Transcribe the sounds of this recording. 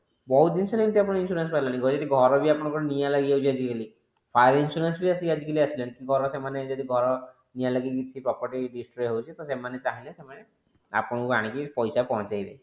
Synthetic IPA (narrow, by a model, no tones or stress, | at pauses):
bɔɦut̪dinsɔlent̪iap̬ɽ̃ɔinsuɾenspailaniɡɔɾd͡ʒɔd̪iɡʱɔɾɔbiapɔɽ̃ɔ̃kɔɾɔnijalaɡiawt͡ʃʰiad͡ʒikeli | pʰajɾinsuɾensbiasiad͡ʒikeliasʰilenkiɡʱɔɾɔsemaned͡ʒɔd̪iɡʱɔɾɔ | nijalaɡiɡit͡ʃʰipɾɔpɔɾʈiɖisʈɾejɦewt͡ʃʰit̪ɔsemanet͡ʃaɦilesemane | a̰pɔɽ̃ɔkaɽ̃ikipɔjsapɔɦɔ̃t͡ʃajlḛ